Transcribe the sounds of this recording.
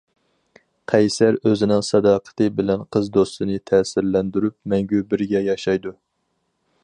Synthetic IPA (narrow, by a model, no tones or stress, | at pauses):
qʰɛjsæɾøzɪnɪŋsɑd̪ɑːqʰə̥t̪ʰɨbɪlɛnqʰəzd̪ost̪ɨnɨt̪ʰɛːsɪɾlɛnd̪yɾyp̚mɛŋɡʲybɪɾɡʲɛjɑʃɑjd̪u